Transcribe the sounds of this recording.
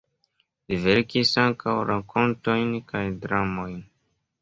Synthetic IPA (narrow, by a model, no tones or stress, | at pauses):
liveɾkisaŋkawɾako̞nto̞jnkʰajdɾamo̞jn